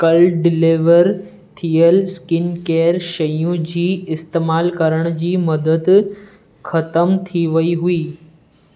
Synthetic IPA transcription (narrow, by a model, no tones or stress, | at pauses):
kɐlɖɪleːʋəɾ | t̪ʰijəlskɪnkeːɾʃɐjũd͡ʑiːɪst̪eːmaːlkɐɾəɽ̃d͡ʑiːmɐd̪əd̪ | xɐt̪əmt̪ʰiʋɐiɦʊiː